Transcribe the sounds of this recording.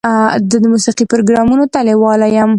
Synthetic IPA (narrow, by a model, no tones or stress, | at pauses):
d̪əd̪əmusiqipʊɾoɡɾɑmunot̪alewɑlajam